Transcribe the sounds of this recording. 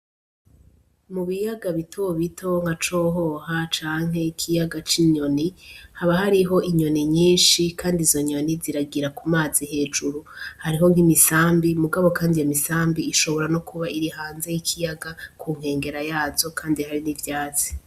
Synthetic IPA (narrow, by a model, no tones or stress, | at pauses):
muβijaɡaβitʰo̞βitʰo̞ŋ̥hat͡ʃo̞ːɦo̞ɦat͡ʃaːŋ̥e̞kʰijaɡat͡ʃiɲo̞nihaβahaɾiɦo̞ʔiɲo̞niɲiːnʃikʰaːndizo̞ɲo̞niziɾaɡiɾakumaːziɦe̞ːd͡ʒuɾuhaɾiɦo̞ŋhimisaːmbimuɡaβo̞kaːndijemisaːmbiːʃo̞βo̞ɾano̞kuβaiɾiɦaːnzejikʰijaɡakʰuŋ̥he̞ːŋɡe̞ɾajaːzo̞kʰaːndihaɾinivjaːt͡si̥